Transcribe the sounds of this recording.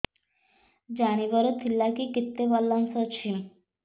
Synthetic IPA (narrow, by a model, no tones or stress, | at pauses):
d͡ʑañibɔɾot̪ʰilːakikit̪ːebalːansɔt͡ɕʰim